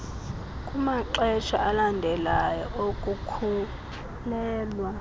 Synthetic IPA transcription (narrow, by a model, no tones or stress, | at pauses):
kʼumaǃɛʃʰaʔalandʱɛlajɔʔokʼukʰu | lɛːlwa